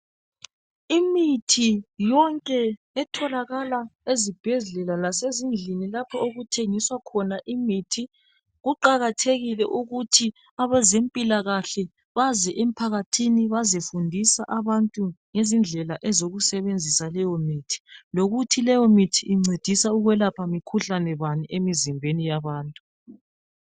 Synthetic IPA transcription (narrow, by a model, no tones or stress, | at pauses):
imitʰijɔŋkʼɛ | ɛtʰɔlaɣalaezib̥ʱɛɮɛlalasezind͡ɮʱinilapʰɔoɣutʰeŋiswakʰɔnaʔimitʰi | ɣuǃaɣatʰeɣilɛʔuɣutʰi | aβɛzempʼilaɣaɬɛ | βazɛʔem̩pʰaɣatʰiniβazefundʱisaʔaβantʼuŋezind͡ɮʱɛlaʔɛzoɣusɛβend͡zʱisalɛjɔmiːtʰi̥loɣutʰilɛjɔmitʰiʔːŋ͡ǀʱed̥ʱisauɣwɛlapʰamikʰuɬanɛβaniʔemizimbʱenijaβaːntʼu